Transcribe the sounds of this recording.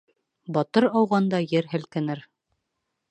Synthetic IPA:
bɒt̪ɤɾɑwʁɑnd̪ɑjɘɾɦɘ̆lkɘ̆nɘɾ

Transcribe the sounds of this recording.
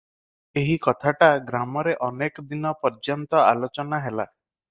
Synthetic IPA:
eɦikɔt̪ʰaʈaɡɾamɔɾeʔɔnekɔd̪inɔpɔɾd͡ʒɔnt̪ɔalot͡ʃɔnaɦela

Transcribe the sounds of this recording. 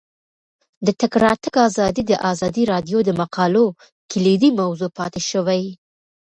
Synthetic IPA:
d̪ət̪ɪkɾɑt̪əkɑzɑd̪id̪əʔɑzɑd̪iɾɑd̪jod̪əmaqɑlo | kɪlid̪imawzopɑt̪eʃəwaj

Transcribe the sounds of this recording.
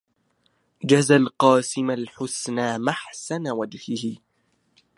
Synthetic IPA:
d͡ʒazalqɑːsɪmalħʊsnaːmaħsanawad͡ʒhɪhɪ

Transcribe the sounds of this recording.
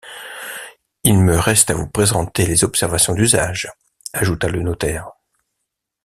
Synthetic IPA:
ilməʁɛst̪avupχezɑ̃t̪elezɔpsɛʁvasjɔ̃d̪yzaʒ | aʒut̪alənot̪ɛːʁ

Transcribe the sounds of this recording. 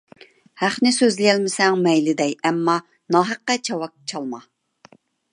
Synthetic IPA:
hæχnɪsøzlɪjɛlmɪsɛŋmɛjlɪd̪ɛjɛmːɑ | nɑɦæqːɛt͡ʃʰɑwɑk̚t͡ʃʰɑlˠmɑ

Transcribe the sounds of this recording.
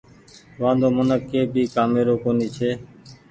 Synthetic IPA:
ʋãːd̪oːmənəkːeːbʱiːkaːmeːɾoːkoːniːt͡ʃʰeː

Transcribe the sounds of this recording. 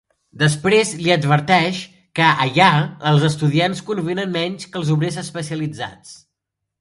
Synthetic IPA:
d̪əspɾezliəd̪βəɾt̪ɛʃ | kəəʎaəlˠzəst̪uðianskunbenənmɛɲskəlˠzuβɾezəspəsiəlid͡za̰t͡s

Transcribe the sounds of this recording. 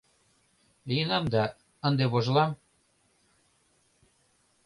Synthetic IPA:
lijenɑmd̪ɑ | ənd̪eβoʒlɑm

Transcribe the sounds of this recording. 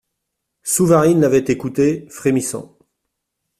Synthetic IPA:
suvaʁinlavɛt̪ekut̪efχemisɑ̰̃

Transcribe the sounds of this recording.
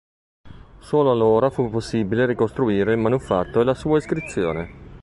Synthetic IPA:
soːloalːoːɾafupːosːiːbileɾikost̪ɾuiːɾeilmanufat̪ːoelasuːaiskɾit̪sːjo̰ːne

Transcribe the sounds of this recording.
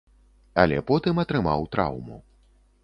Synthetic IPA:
ɐlʲɛ̰pɔt̪ɨmɐt̪ɾɨmawt̪ɾa̰wmṵ

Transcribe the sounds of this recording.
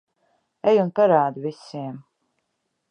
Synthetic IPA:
ɛjunpaɾaːd̪uvisiɛm

